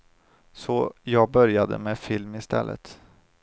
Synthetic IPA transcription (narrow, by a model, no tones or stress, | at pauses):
sɔjɑːɡ̚bœɾjad̪ə̰meːfɪlmɪst̪ʰɛ̰lːə̰t̪